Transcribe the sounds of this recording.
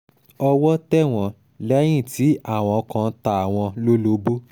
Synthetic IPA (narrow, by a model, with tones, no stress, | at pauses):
ɔ˧wɔ˦tɛ˦˨w̃ɔ̃˧ | lɛ˦j̃ĩ˦˨ti˨˦a˦˨w̃ɔ̃˧kã˧˦ta˦˨a˨w̃ɔ̃˧lo˦lo˧˦bu˦